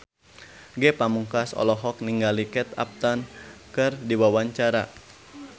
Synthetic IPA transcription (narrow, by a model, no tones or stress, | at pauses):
ɡɛpamuŋkasɔ̰lɔɦɔk̚niŋɡalikɛt̪a̰p̚t̪ankɨrdiwawaɲt͡ʃaɾa